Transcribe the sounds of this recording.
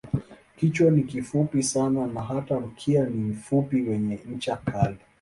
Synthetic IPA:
kit͡ʃwanikifupisananaɦatam̩kʰianim̩fupiwɛɲɛɲ̩t͡ʃakʰalɛ

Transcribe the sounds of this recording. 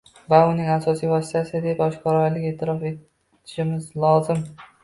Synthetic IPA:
vaʊnɪŋasɒsijvɒsɪ̥t̪ʰasɪd̪epɒʃkʰɒɾɒlɪkʲe̞t̪ʰɪɾɒfe̞t̪ʰ | ɪʃɪmɪzlˠɒzɪm

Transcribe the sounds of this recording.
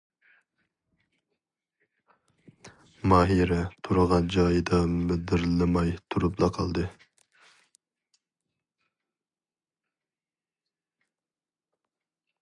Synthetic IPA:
mɑːɦiɾɛt̪ʰuɾəʁɑnd͡ʒɑjɨd̪ɑmɪd̪ɪɾlɨmɑjt̪ʰuɾuplˠɑqʰɑlˠd̪ɨ

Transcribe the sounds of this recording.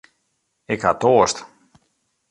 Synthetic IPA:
ɪkhatoəst

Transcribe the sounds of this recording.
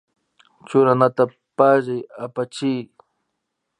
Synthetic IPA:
t͡ʃʊɾanat̪a | paʒajapat͡ʃij

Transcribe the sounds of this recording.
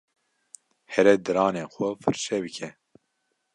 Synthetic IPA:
hɛɾɛd̪ɨɾɑːnexʷɔfɨɾʃɛbɨkʰɛ

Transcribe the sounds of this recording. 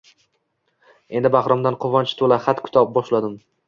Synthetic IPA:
e̞nd̪ɪbaχɾɒmd̪anqʰʊvɒnt͡ʃʰɪ̥t̪ʰolaχat̪kʰʊ̥t̪ʰɒp̚bɒʃlad̪ɪm

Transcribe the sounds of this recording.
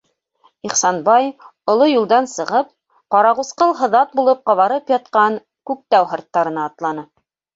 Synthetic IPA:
iχsɑnbɑjŏlˠojulˠd̪ɑnsɤ̆ʁɤp̚ | qɑɾɑʁusqɤlˠɦɤ̆ðɑt̪̚bulˠɤp̚qɑβɑɾɤpjɑt̪qɑŋ | kʉk̚t̪æwɦɑɾt̪ːɑɾɤ̆nɑːt̪lˠɑnɤ

